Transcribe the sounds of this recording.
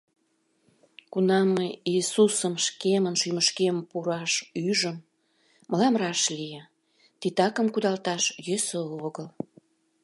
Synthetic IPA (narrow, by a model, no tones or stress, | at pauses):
kunɑmːeiːsusəmʃkemənʃyməʃkempuɾɑʃyʒəmː | əlɑmrɑʃlije | t̪it̪ɑkəmkud̪ɑlt̪ɑʃjøsəoɣəl